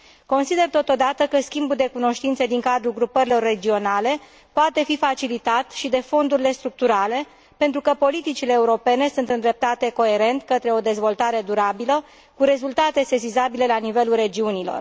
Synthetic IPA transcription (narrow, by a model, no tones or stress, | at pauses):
ko̞nsid̪e̞rt̪o̞t̪o̞d̪at̪əkəskʲimbud̪e̞kuno̞ʃt̪int̪sed̪iŋkad̪ɾuɡɾupəɾilo̞rːe̞d͡ʒio̞nale̞ | poat̪e̞fifat͡ʃilit̪at̪ʃid̪e̞fo̞nd̪uɾile̞st̪ɾuk̚t̪uɾale̞ | pent̪ɾukəpo̞lit̪it͡ʃile̞ːuɾo̞pe̞ne̞sunt̪ɨnd̪ɾe̞p̚t̪at̪e̞ko̞e̞ɾe̞nt̪kət̪ɾe̞o̞d̪e̞zvo̞lt̪aɾe̞d̪uɾabilə | kuɾe̞zult̪at̪e̞sezizabile̞lanive̞lulre̞d͡ʒiunilo̞̰r